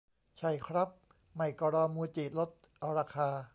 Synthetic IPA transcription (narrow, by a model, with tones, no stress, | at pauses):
t͡ɕʰa˥˩jkʰɾa˦˥p̚ | ma˧˩jkɔː˧ɾɔː˧mu˧ət͡ɕeː˨˩t̪̚lo˦˥t̪̚ | ʔa˧wɾaː˧kʰaː˧